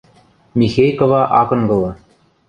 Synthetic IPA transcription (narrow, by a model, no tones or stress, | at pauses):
mʲixejkovɑʔɑkɤ̆ŋɡɤ̆lˠɤ̆